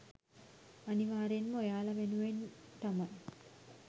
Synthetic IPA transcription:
aniʋaːɾenməojaːlaʋenuʋent̪amaj

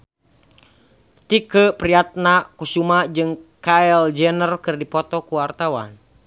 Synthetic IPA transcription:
t̪ikəpɾiat̪̚nakusumad͡ʒɨŋkaɛld͡ʒɛnərkɨrdipɔt̪ɔkuwart̪awa̰n

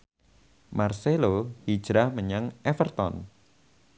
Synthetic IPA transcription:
marselohid̥ʒ̥ɾahməɲəŋʔɛfərt̪ɔ̰n

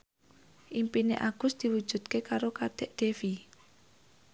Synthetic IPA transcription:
ʔimpinḛʔaɡ̥ʊ̤sd̪̥i̤wud̥ʒ̥ṳd̪̥̚kekaɾokad̪̥ɛ̤ʔd̪̥efi

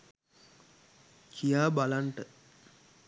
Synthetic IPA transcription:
kʰijaːbalaɳʈə

